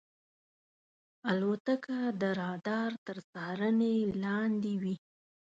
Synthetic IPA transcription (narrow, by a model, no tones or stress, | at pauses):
alwot̪əkad̪əɾɑd̪ɑɾt̪əɾt͡sɑɾənelɑnd̪ewi